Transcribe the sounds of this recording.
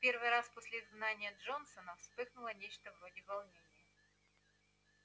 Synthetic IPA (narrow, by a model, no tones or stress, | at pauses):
pʲe̞rvɨjɾasposʲlʲɪɪzɡnanʲɪjəʐonsənəfspɨxnʊlˠənʲet͡ɕt̪əvɾodʲɪvɐlˠnʲenʲɪjə